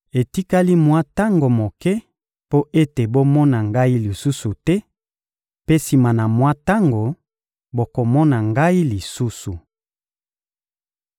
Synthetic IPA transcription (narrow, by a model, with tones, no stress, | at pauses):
e˨ti˦ka˦li˦mwa˦ta˦ŋɡo˨mo˨kɛ˦ | po˦ʔe˦te˨bo˦mɔ˦na˨ŋɡa˦i˦li˨su˦su˨tɛ˦ | pe˦si˨ma˨na˨mwa˦ta˦ŋɡo˨ | bo˨ko˨mɔ˦na˨ŋɡa˦i˦li˨su˦su˨